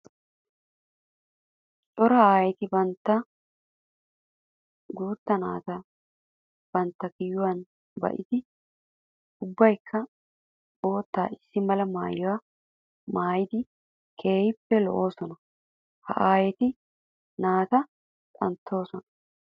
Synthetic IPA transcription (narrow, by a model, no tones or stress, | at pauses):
t͡ʃʼɔɾɐaːjɛt̪ɪbɐnt̪ːɐ | ɡuːt̪ːɐnaːt̪ɐ | b̥ɐnt̪ːɐkɪjʊwɐn | bɐ̰ʔɪd̪ɪ | ʊbːɐjkʰːɐ | bo̞ːt̪ːa̰ːɪsːɪmɐlɐmaːjɔwa | maːjɪd̪ɪ | kʰe̞ːjɪpːɛlɔ̰ʔo̞ːsɔnɐ | hɐ̰ʔaːjɛt̪ɪ | naːt̪ɐ | tʼɐ̰nt̪ʰːo̞ːsɔnɐ̥